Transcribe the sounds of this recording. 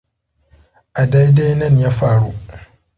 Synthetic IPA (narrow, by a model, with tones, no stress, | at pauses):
ʔa˨da˦jda˦jnɐ˦˨njaː˦ɸaː˦ɽu˦